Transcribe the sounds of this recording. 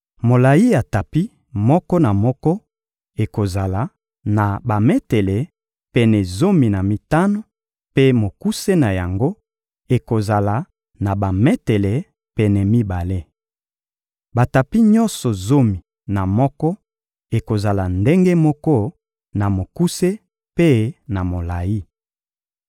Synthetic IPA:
mo˨la˨ji˦a˨ta˨pi˦ | mɔ˦kɔ˦na˨mɔ˦kɔ˦ | e˨ko˨za˨la˨ | na˨ba˨mɛ˦tɛ˨le˨ | pɛ˨nɛ˨zo˦mi˨na˨mi˨ta˦no˦ | pe˦mo˨ku˦se˦na˨ja˨ŋɡo˦ | e˨ko˨za˨la˨ | na˨ba˨mɛ˦te˨le˨ | pɛ˨nɛ˨mi˦ba˨le˦ | ba˨ta˨pi˦ɲɔ̃˦nsɔ˨zo˦mi˨ | na˨mɔ˦kɔ˦ | e˨ko˨za˨la˨nde˦ŋɡe˦mɔ˦kɔ˦ | na˨mo˨ku˦se˦ | pe˦na˨mo˨la˨ji˦

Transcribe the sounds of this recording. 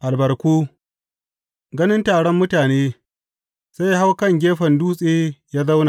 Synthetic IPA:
ʔa˨lbɐ˨rkʷuː˦ | ɡɐ˦nɪ˦ntaː˨ɽɔ˦mːʊ˦taː˨neː˦ | z̥a˦jɦa˦wkɐ˦˨ŋɡʲeː˦ɸɐ˨nduː˦sʼeː˦jaː˦za˦wna˨

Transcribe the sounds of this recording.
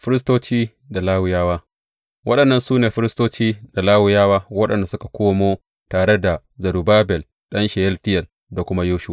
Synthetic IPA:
ɸɪ˦ɾɪ˦s̬toː˦t͡ʃiː˦ | da˨laː˦wʊ˨jaː˦waː˦ | wɐ˦ɗɐ˨nːɐ˦nsuː˦neː˨ɸɪ˦ɾɪ˦stoː˦t͡ʃiː˦d̥a˨laː˦wɪ˨jaː˦waː˦wɐ˦ɗɐ˨nda˨sʊ˦kḁ˨kʷoː˦moː˦ | taː˨ɽe˦da˨ | zɐ˨ɽu˨baː˦bɛ˨l | ɗɐ˦nʃɛ˨jɛ˦ltɪ˦jɛ˨l | da˨kʷʊ˦ma˦joː˦ʃʊ˦wa˨

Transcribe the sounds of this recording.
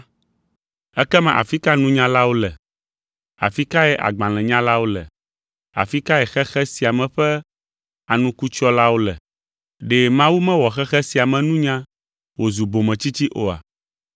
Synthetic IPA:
ɛ˦kɛ˦mɛ̃˨ʔa̰˨fi˦ka˦nũ˦ɲã˦la˦wo˦lɛ˨ | a̰˨fi˦ka˦ɛ˦ʔa̰˨ɡ͡bã˨l̃ɛ̃˨ɲã˦la˦wo˦lɛ̰˨ | a̰˨fi˦ka˦ɛ˨xɛ˦xɛ˦si˨a˨mɛ̃˨ɸɛ˦ | a˨nũ˦ku˦t͡ʃɔ˦la˦wo˦lɛ̰˨ | ɖɛ˨mã˦wu˦mɛ̃˦wɔ˨xɛ˦xɛ˦si˨a˨mɛ̃˨nũ˦ɲã˦ | wo˨zu˨bo˨mɛ̃˨t͡ɕi˦t͡ɕi˦ʔo˨a̰˨

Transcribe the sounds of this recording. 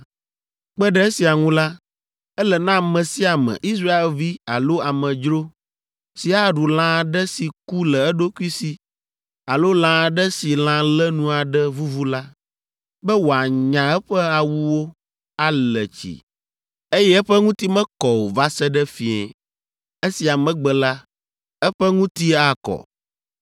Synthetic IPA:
k͡pɛ˦ɖɛ˦e˦si˨a˨ŋũ˦la˦ | ɛ˦lɛ˨nã˦mɛ̃˨si˦a˨mɛ̰̃˨ʔi˦s̬ɾa˦e˨lvi˦a˨lo˦a˨mɛ̃˨d͡ʒɾo˦ | si˨a˦ɖu˨lã˦˨ɖɛ˦si˨ku˦lɛ˨ɛ˦ɖo˦ku˦i˦si˨ | a˨lo˦lã˦˨ɖɛ˦si˨lã˦lɛ˦nũ˦a˨ɖɛ˦vu˦vu˦la˦ | bɛ˦wo˨a˨ɲã˨ɛ˦ɸɛ˦a˨wu˦wo˦ | a˦lɛ˨t͡ɕḭ˨ | e˦jɛ˦ɛ˦ɸɛ˦ŋũ˦t̪i˦mɛ̃˦kɔ˨wo˨va˦sɛ˦ɖɛ˦fi˨ɛ̰˨ | e˦si˨a˨mɛ̃˦ɡ͡bɛ˨la˦ | ɛ˦ɸɛ˦ŋũ˦t̪i˦a˨kɔ̰˨

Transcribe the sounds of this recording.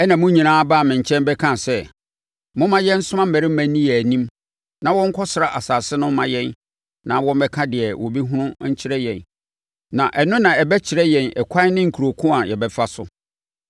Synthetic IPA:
ɛ˦nã˨mʊ̃˦ɲĩ˨nãː˦ba˦˨mɪ̃˨ɲ̩˨t͡ɕʰɛ̃˦nbɛ˦kʰã˦˨sɛ˦ | mʊ̃˦mã˦jɛ˦n̩˦sʊ˦mã˦m̩˦mɛ˨ɾɪ˦m̩˦mæ̃˨nĩ˦jɛ˨nĩ˦m | nã˨wɔ̃˦ŋ̩˦kʰɔ˦sɪ˨ɾa˨ʔa˨saː˨sɪ˦nʊ̃˦mã˨jɛ̃˦n | nã˨wɔ̃˦m˦bɛ˦kʰã˦dɪ˨ɛ˨wɔ˨bi˦ɦũ˦nʊ̃˦ɲ̩˦t͡ɕʰɪ˦ɾɛ˦jɛ̰̃˨n | nã˨ʔɛ˨nʊ̃˦nã˨ɛ˨bɛ˦t͡ɕʰɪ˨ɾɛ˦jɛ̃˨nɛ̰˨kʷʰa˦nɪ̃˦ŋ̩˨kʰu˨ɾo˨kʰʊ̃˦a˨jɛ˨bɛ˦fa˦sʊ˦

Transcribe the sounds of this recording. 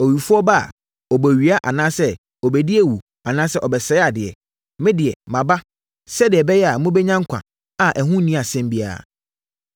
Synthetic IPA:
ɔ˨ɥi˨fu˦ɔ˦ba˦a̰˨ | ɔ˨bɔ˨ɥi˨˦a˦ʔa̰˨nãː˦sɛ˦ | ɔ˨bɛ˨di˦ɛ˦wu˨ | a˨nãː˦sɛ˦ʔɔ˨bɛ˨sɛ˨˦a˨dɪ˨ɛ̰˨ | mɪ̃˦dɪ˨ɛ˨mã˨ba˦ | sɛ˦dɪ˨ɛ˨bɛ˦jɛ˦a˨mʊ̃˦bɛ˦ɲã˦ŋ˦kʷʰã̰˨ | a˨ʔɛ˨ɦũ˦nĩ˦a˨sɛ̃˦mbi˦a̰˨

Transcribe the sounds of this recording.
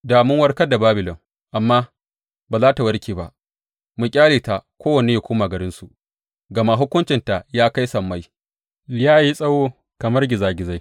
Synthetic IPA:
daː˨mʊ˦ŋwɐ˦rkɐ˦da˨baː˦bɪ˨lɔ˨ŋ | ʔa˨mːaː˦ | baː˨zaː˦ta˨wɐ˦rkʲiː˨ba̰˦ʔ | mu˨kʲʼaː˦liː˨ta˨kʷoː˦wɐ˨neː˦ja˨kʷoː˦maː˨ɡɐ˨ɾɪ˦nsu˨ | ɡɐ˨ma˦ɦʊ˦kʷʊ˦nt͡ʃɪ˨nta˨jaː˦ka˦jsɐ˨mːa˦j | lɪ˦jaː˦˨ji˦sʼɐ˦woː˦ | kɐ˨mɐ˦rɡʲɪ˨zaː˨ɡʲɪ˨za˦j

